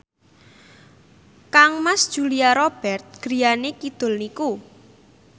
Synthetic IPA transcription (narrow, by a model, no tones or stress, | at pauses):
kaŋmasd̥ʒ̥ṳlijaɾob̥ɛrt̪̚ɡ̥ɾijanekid̪̥ʊ̤lniku